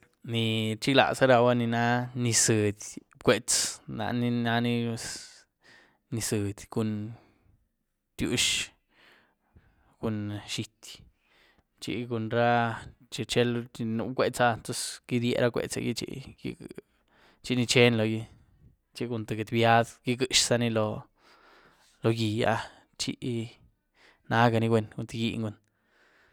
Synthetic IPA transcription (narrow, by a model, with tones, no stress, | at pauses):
ni˨˧t͡ʃi˦ɡla̰˨sa˦ɾa˧wa˦ni˧na˦ni˧sɨ˨d̪ʲ | kʷe˧t͡sna̰˧ni˧na˧ni˦s | ni˧sɨ˨d̪ʲɡu˧n | t̪jṵ˧ʃ | ɡ̥u˧nʃi˧t̪ʲ | t͡ʃḭ˧ɡu˧nɾa˦t͡ʃi˧t͡ʃe˦lnṵ˧kʷe˧t͡sa˧nt̪o˦sɡ̥i˦d̪jḛ˧ɾa˦kʷḛ˧˨t͡sa̰˧jḭ˧t͡ʃḭ˧ɡḭ˧ | t͡ʃi˧ni˧t͡ʃe˦nlo˧ji˧ | t͡ʃi˧ɡu˧nt̪e˨ɡe˨d̪bja˦d̪ɡi˦ɡɨ˧ʃsa˦˧ni˧lo˧ | lo˧ɡi˨a̰˧ | t͡ʃḭ˧ʔ | na˧˦ɡa˧ni˧ɡwe˦˧nɡu˧nt̪e˧ɡi˧ŋɡu˧˦n